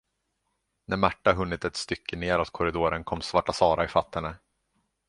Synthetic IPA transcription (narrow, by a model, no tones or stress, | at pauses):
nʔæɾmaʈːaɦɵnːɪt̪ɛt̪st̪ʏkʰːəneːɾɔt̪̚kʰɔɾɪd̪oːɾənkʰɔmːsvaʈːasɑːɾaɪfat̪ːɛnːə